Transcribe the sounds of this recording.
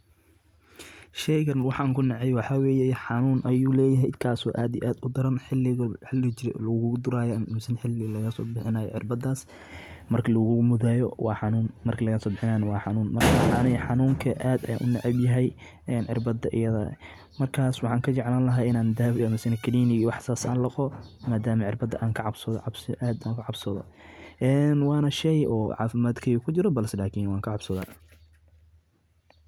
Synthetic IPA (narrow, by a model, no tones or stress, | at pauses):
ʃɛjɡɐnwɑħɑːŋkʰʊnɑʕɛjwɑħɑwɛːjɛħɑnuːnʔɐjuːlɛːjɐɦɛɪd̪kʰaːsɔːʔaːd̪ijʔaːd̪ʊd̪ɐɾɐnħɪlːɪɣɐħɪlɪt͡ʃɪɾlɐɣʊʊd̪ʊɾaːjɔmmsɪnħɪlːɪɣlɐɣɐsɔːbɪħɪnaːjɔ̰ʕɪrbɐd̪aːs | mɐrkʰɐlɐɣʊmʊðaːjɔwɑːħɑnuːnmɐrkʰɐlɐɣɐsɔːbɪħɪnaːnɐwɑːħɑnuːnmɐrkʰaɑnɐħɑnuːŋkʰɐʔaːd̪ɐja̰ːʔʊnɑʕɪbjɐɦɛj | ɛːnʕɪrbɐd̪ɐʔɪjɐðɐ | mɐrkʰaːswɑħɑːŋkʰɐt͡ʃɛʕlaːnlɐɦaːɪnaːnd̪aːbɐmɪsɪnɐkʰɐliːnɪwɑħsaːsa̰ːnlɐqɔmaːd̪aːmɐʕɪrbɐd̪ɐʔaːŋkʰɐʕɑbsɐðʕɑbsʔaːd̪aːŋkʰɐʕɑbsɐðɔ̰ʔɛːnwɑːnɐʃɛjɔ̰ːʕɑ̰ːfɪmaːd̪kʰɐikʰʊt͡ʃɪɾɔbɐlsɛlaːkʰiːnwɑːŋkʰɐʕɑbsɐða̰ː